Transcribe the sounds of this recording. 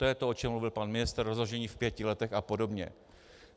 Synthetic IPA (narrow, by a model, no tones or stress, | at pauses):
t̪o̞jɛt̪o̞ʔo̞t͡ʃɛmluvɪlpanmɪnɪst̪rrozloʒɛɲiːfpjɛcɪlɛt̪ɛxapo̞do̞bɲɛ̰